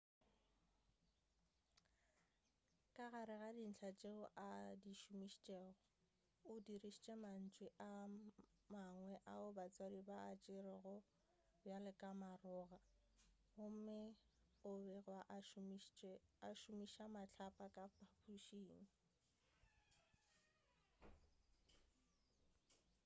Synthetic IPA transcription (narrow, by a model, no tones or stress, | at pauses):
kʼaɣaɾɪɣadin̩t͡ɬʰat͡ʃʼeʊʔadiʃumiʃt͡ʃʼɛːɣɔ | ʊdiriʃi̥t͡ʃʼɛman̩t͡ʃʼwɪʔa | maŋwɛʔaʊbat͡sʼwadibaːt͡ʃʼɪɾɪɣʊ | bjalɪkʼamarʊːɣa | ɣʊm̩mɪ | ʊbɛrwaʔ | aʃʊmiʃamaɬʰapʼakʼapʼapʰuʃiːŋ̩